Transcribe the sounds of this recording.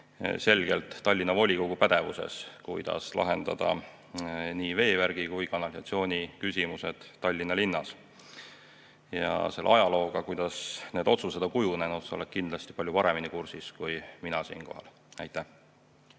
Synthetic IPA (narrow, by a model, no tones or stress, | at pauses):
se̞lɡ̥e̞lt̪ːɑlʲːinɑvo̞lʲiko̞ɡ̥upæd̪̥e̞vuse̞̰skujd̪̥ɑ̰slɑ̰ɦe̞nd̪̥ɑ̰d̪̥ɑ̰ | niːve̞ːværɡ̥ikujkɑnɑlʲisɑ̰t̪sio̞ːnʲikysʲimuse̞d̪̥ːɑlʲːinɑlinːɑs | jɑ̰se̞lːʔɑjɑlo̞ːɡ̥ɑkujd̪̥ɑsne̞ːd̪o̞t̪sused̪̥ɑkujune̞nut̪seo̞̰lek̪̚kind̪̥lɑst̪i̥pɑlʲjupɑɾe̞minikursiskujminɑsḭːnko̞̰hɑ̰l | æjt̪ːˑæh